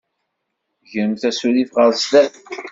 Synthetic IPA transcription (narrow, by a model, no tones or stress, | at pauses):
ʝəɾəmθæsulifʁəɾst̪æθ